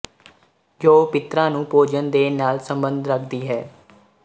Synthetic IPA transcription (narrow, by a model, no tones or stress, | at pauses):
d͡ʒoːpɪt̪ɾãːnũːpoːd͡ʒənd̪eːnaːlsəmbənd̪ʱɾəkʰd̪iːɦɛː